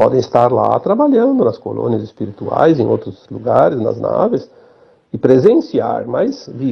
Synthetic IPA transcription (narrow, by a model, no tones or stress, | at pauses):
pɔd̪ẽɪst̪aɾla̰t̪ɾabaʎɐ̃nd̪ʊnɐsko̰lõ̰niɐzɪspiɾit̪ua̰jzẽj̃o̰wt̪ɾʊzluɡaɾɪznɐ̰zna̰vɪs | ɪpɾezẽsia̰ɾmajzvi